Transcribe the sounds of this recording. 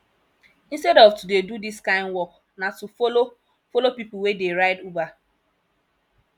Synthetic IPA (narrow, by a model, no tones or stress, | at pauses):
ĩnstɛɾɔvtudedudiskãɪ̃ndwɔk | natufolo | folopipl̩wedeɾaɪduba